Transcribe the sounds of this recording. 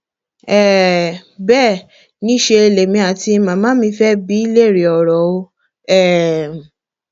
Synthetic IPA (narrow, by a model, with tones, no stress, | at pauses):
ɛ˦˨ | bɛː˦˨ | nĩ˨˦ʃe˧e˧le˨mĩ˧a˨ti˧mã˨˦mãː˨˦mĩ˧˦fɛ˦bi˦i˦le˦˨ɾi˨ɔ˨ɾɔ˨˦o˧˦ | ɛ˦˨